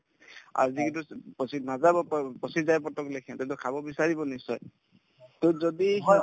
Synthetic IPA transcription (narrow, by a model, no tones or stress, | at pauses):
a̰ɹzikitupɔsinazabɔppɔsizajpɔtɔklekʰiɛ̃tɛtɔkʰabɔbisaɹibɔnisɔj | tɔzɔdi